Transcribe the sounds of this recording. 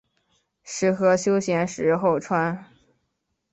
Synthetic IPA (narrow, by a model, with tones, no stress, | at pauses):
ʂɻ̩˧˥xɤ˧˥ɕjo˥ʊɕjɛ˧˥nʂɻ̩˧˥xo˥˩ʊʈ͡ʂʰwa˥n